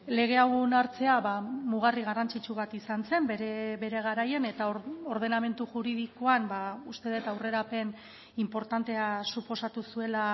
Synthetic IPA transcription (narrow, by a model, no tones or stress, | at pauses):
le̞ɣ̞e̞awnaɾt͡se̞aβamuɣ̞ariɣ̞arant͡sit͡ʃuβat̪isanse̞mbɾebe̞ɾe̞ɣ̞aɾaje̞ne̞t̪aoɾð̞e̞name̞nt̪uʝuɾið̞iko̞ambaust̪e̞ð̞et̪awre̞ɾape̞n | impo̞ɾt̪ant̪e̞asupo̞sat̪usue̞la